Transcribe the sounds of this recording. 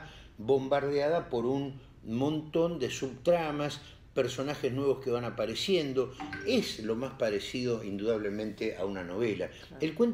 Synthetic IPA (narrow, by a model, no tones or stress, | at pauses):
βo̞mbaɾðjaðapo̞ɾun | mõ̞nt̪o̞nd̪esuβt̪ɾamas | peɾso̞naxeznwe̞β̞o̞skeβanapaɾesje̞nd̪o̞ezlo̞maspaɾesiðo̞ind̪uðaβ̞lemẽnt̪eʔa̰unano̞βela | elkwen